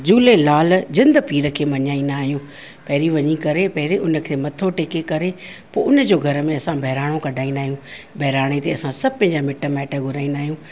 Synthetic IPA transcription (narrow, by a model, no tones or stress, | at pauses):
d͡ʑuːlelaːld͡ʑɪ̃nd̪piːɾəkʰeːmɐɲaːĩnaːɦijũ | pɛːɾiʋɐɲikɐɾepɛɦɾeʔʊnə̆kʰeːmɐt̪ʰoʈeːkekɐɾe | poːʊnəd͡ʑoːɡʱɐɾəmẽɐsãbʱɛɦɾaːɽ̃õkɐɖʱaːĩnaːɦijũːbʱɐɦɾaːɽ̃et̪eɐsãsɐb̚ʱpɐ̃ːɲd͡ʑamɪʈəmɛːʈəɡʱʊɾaːĩnaːɦijũː